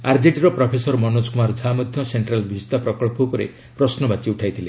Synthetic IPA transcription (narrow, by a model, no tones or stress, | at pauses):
aɾd͡ʒiʈɾɔpɾɔpʰesɔɾmɔnoskumaɾd͡ʒʱamɔd̪ʱjɔseɳʈɾalbʱist̪apɾɔkɔɭpukɔɾḛ | pɾɔsnɔbat͡ʃiuʈʰajt̪ʰile